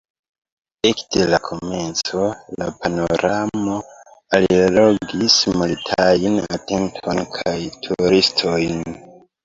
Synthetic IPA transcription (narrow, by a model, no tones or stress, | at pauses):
ekdelakʰo̞me̞nt͡so̞lapano̞ɾamo̞ | alilo̞ɡismalitʰana̰te̞ntʰo̞nkʰajtʰuɾistʰo̞jn